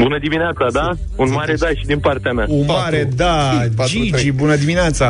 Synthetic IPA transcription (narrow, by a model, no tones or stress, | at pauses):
bunəd̪imineat̪sad̪aunmaɾed̪ajʃid̪inpart̪eamea̰unmaɾed̪aad͡ʒit͡ʃibunəd̪imineat̪sa